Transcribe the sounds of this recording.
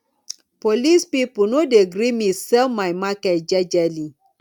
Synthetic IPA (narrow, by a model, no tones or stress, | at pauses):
polispipʊnodeɡɾimĩsɛmaɪmakɛtd͡ʒɛd͡ʒɛli